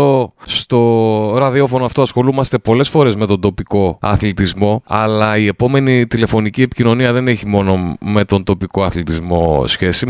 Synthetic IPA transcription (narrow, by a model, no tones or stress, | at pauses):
ost̪o̞ɾɐðio̞fo̞noɐft̪oɐsxo̞lumɐst̪e̞po̞le̞sfo̞ɾe̞zme̞t̪ond̪o̞piko̞ɐ̰θlit̪izmo̞ɐ̰lɐie̞po̞me̞nit̪ile̞fo̞nicie̞pi̥cino̞niɐðe̞neçimo̞no̞me̞t̪o̞nd̪o̞piko̞ɐθlit̪izmo̞̰sçe̞si